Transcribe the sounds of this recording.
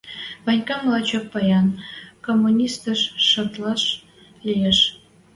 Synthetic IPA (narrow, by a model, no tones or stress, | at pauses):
vɑnʲkɑmlˠɑt͡ɕoppɑjɑnkomːunʲist̪əʃːɑ̆t̪lˠɑʃ | lʲijeʃ